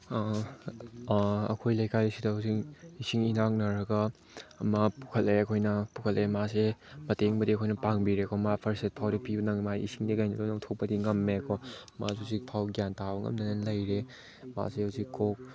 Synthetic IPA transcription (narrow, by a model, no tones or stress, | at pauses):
ɐ̰kʰojlɐjkajisidɐɦɐwsiŋisiŋinaŋ̚nɐɾɐɡɐː | mapu̥kʰɐleɐkʰojnɐpukʰɐlemasemɐteŋbɐdiɐkʰojnɐpaŋbiɾekʰɔmapʰɐɾset̚pʰawdipibɐnɐŋmaisiŋdiɡajnɐdonɐŋtʰok̚pɐdiŋɐmːekʰɔma̰susik̚pʰawɡjantawŋɐ̰mnɐnɐnlɐjɾe | ma̰seɐwsikok̚